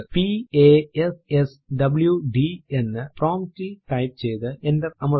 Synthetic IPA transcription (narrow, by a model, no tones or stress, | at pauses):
pieːeses | ɖɐbɨljuɖienːɨproːmʈiʈɐjp̚t͡ɕejt̪ɨendɐrɐmɐ